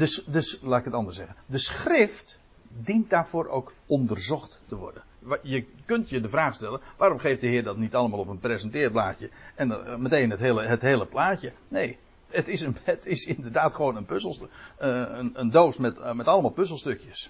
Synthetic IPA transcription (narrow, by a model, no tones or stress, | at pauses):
dəsdəslaːtɪkətɑndərsɛɣəndəsχrɪft | dint̚d̥aːrv̥oːɾʔo̰wk | ɔndərzɔχtːəʋɔ̰rdənjəkɵntjədəvraːχstɛlˠənʋaːɾomχejftdəɦɪːrdɑtnitɑlˠəmaːlˠɔpənprezəntɪːrblaːcjəɛnmətejnətɦeːlˠəɦətɦeːləplaːcənej | ətɪsənətɪsɪndərdaːtχəʋoːnənpøzlˠs | əəndoːsmɛtmɛtɑlˠəmaːlˠpøzlˠstɵkjəs